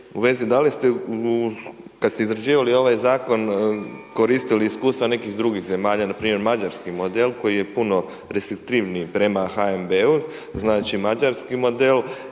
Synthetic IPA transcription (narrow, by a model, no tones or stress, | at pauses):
uʋe̞zid̪alist̪eukad̪st̪eizɾad͡ʒiːʋalio̞ʋajzaːko̞nko̞ɾiːst̪iliːskuːst̪aʋane̞kixd̪ɾuɡixze̞maːʎanapɾiːmje̞ɾmad͡ʒaɾskimo̞d̪e̞lko̞jije̞puno̞ | ɾest̪ɾik̚t̪iʋnijpɾe̞maxaembeu | znaːt͡ʃimad͡ʒaɾskimo̞d̪e̞l